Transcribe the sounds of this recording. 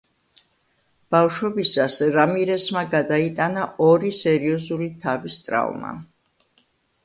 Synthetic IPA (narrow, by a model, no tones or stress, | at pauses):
b̥afʃwɔbisasɾamiɾɛsmaɡad̪ait̪ʼanaʔɔɾisɛɾiɔzulit̪ʰavist̪ʼɾa̰vma̰